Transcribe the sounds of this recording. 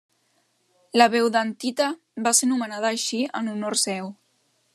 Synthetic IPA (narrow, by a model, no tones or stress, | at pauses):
ləβɛwðant̪it̪ə | basenumənað̞əːʃiənunoɾsɛw